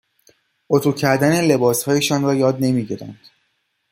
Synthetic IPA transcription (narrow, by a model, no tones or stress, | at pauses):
ot̪ʰuːcʰæɾd̪ænele̞bɒːshɒːje̞ʃɒːnɾɒːjɒːd̪ne̞miɟiɾæ̰nd̪̥